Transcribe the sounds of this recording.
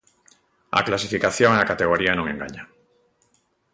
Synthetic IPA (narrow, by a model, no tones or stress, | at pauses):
a̰klasifikaθjoŋeakat̪eɣ̞oɾianõŋeŋɡa̰ɲa